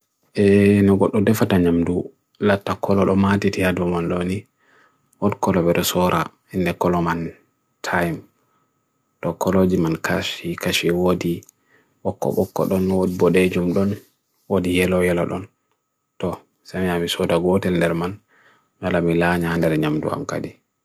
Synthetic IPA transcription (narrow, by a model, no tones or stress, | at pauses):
ʔɛnɔɡɔɗːɔdɛfataɲamdu | latːakʰɔlɔɗɔmatitihadumanɗoni | wɔnkɔlɔbɛɗɔsɔɾʔa | hindɛkɔlɔman | tʰajm | tɔkɔlod͡ʒimankʰaʃikaʃiwodi | ʔɔkːɔ̰ɓɔkːɔ̰ɗɔnwodibɔɗed͡ʒumɗɔn | wodijɛlɔjɛlɔ̰ɗɔ̰n | tɔ | samiamisɔdaɡɔtɛlndɛɾman | nalamilaɲahandɛɾɛɲamdṵha̰mka̰di